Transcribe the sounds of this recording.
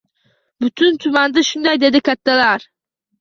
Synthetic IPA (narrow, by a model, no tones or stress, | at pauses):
byt̪ʰynt̪ʰymand̪ɯʃund̪ajd̪e̞d̪ikat̪ːalˠaɾ̥